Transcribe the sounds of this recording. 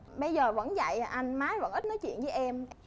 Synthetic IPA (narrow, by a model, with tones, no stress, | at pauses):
ɓə˧jzəː˨˩və̰˧˥nza̰˧˨jʔa˧jŋ̟maː˨˦jvə̰˧˥nʔi˦˥t̚nɔ˨˦jt͡ɕwḭ˧˨nvəː˨˦jʔɛ˧m